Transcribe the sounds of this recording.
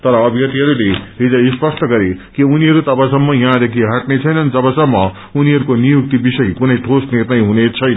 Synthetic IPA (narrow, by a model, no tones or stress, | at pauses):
t̪ʌɾʌːbʱjʌt̪iɦʌɾuleɦid͡zʌispʌsʈʌɡʌɾekiuniɦʌɾut̪ʌpasʌmːʌjʌɦãd̪ekʰiɦaʈnet͡sʰʌjnʌnid͡zʌbʌsʌmːʌ | uniɦʌɾukonijuk̚t̪ibisʌjkunʌjʈʰosnirnʌjɦunet͡sʰʌjnʌ